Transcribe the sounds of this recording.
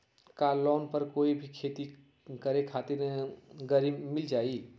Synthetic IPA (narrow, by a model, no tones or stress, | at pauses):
kaːlɔːnpəɾkoːibʱikʰeːt̪i | kəɾekʰaːt̪ɪɾɡəɾibmɪld͡ʒaːi